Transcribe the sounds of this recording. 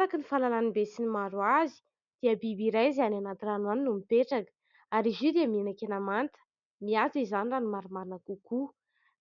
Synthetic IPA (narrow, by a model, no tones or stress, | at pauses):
ɾakənifalalanibesinimaɾuazi̥ | d̪̥iəbibiɾajziananat̪iranwaninumipeʈ͡ʂakə̥ | aɾizid̪eəminakenamant̪ə̥ | miat͡sizaniranimaɾumaɾinakuku